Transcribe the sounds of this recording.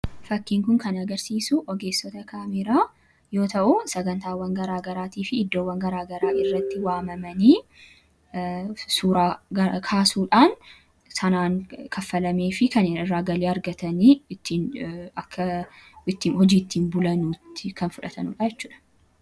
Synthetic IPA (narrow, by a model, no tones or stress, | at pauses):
fɐkːiːŋkʊŋkɐnɐɡɐɾsiːsuʔɔɡe̞ːsːɔt̪ɐkʰaːmɪɾaː | jo̞ːt̪ɐʔʊsɐɡɐnt̪aːwːɐŋɡɐɾaːɡɐɾaːt̪iːfɪːd̪ːo̞ːwːɐŋɡɐɾaːɡɐɾaːʔɪrːɐt̪ːɪwaːmɐmɐniː | suːɾaːkʰaːsuːᶑaːn | sɐnaːŋkʰɐfːɐlɐmeːfɪkɐnɪɪrːaːɡɐleːɐɾɡɐt̪ɐniːɪt̪ːinɐkʰːɐɪt̪ːiːnhɔd͡ʒiːɪt̪ːiːnbʊlɐnuːt̪ːɪkʰɐnfʊᶑɐt̪ɐ̰nṵᶑajɛt͡ʃːuːᶑɐ̥